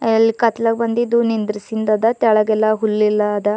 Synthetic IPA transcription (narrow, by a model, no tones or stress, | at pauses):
ɐɐlːikɐt̪lɐɡbɐnd̪id̪unind̪ɾisind̪ɐd̪ɐt̪ɛɭɐɡɛlːɐɦulːilːɐːd̪ɐ